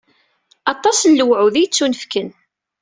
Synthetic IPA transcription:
ɑt̪ˤːɑsnləwʕuðijt͡sːunəfkən

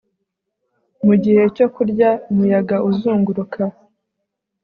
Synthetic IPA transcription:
muɟihe̞co̞kuɾɟaumujaɡaʔuzuːŋɡuɾukʰa

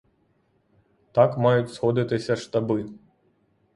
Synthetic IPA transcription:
t̪akmajut͡sʲsxɔd̪ɨt̪ɨsʲɐʂt̪abɨ

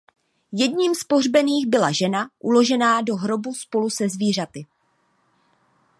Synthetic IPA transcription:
jɛdɲiːmspo̞rbɛniːɣbɪlaʒɛnaʔulo̞ʒɛnaːdo̞ɦɾo̞buspo̞lusɛzviːr̝at̪ɪ

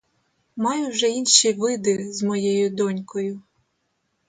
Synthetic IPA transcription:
mɑjʊwʒɛinʃijʋɪd̪ɪzmɔjɛjʊd̪ɔnʲkɔjʊ

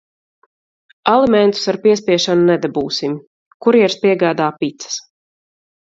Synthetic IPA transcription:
alˠimɛnt̪u̥saɾpiɛspʲiɛʃanunɛd̪abuːsim | kuɾiɛɾspiɛɡaːd̪aːpit̪sə̥s

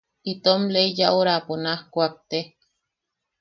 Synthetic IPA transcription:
it̪omleijaʔoɾaponahkʷak̚t̪e

